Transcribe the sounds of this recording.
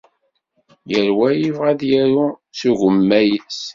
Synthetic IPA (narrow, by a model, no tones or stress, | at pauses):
jəɾwæjivʁaðjæɾusuʝəmːæjəs